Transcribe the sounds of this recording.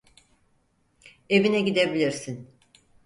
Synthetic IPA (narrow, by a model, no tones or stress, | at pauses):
e̞vinɛɟid̪e̞bilʲiɾsin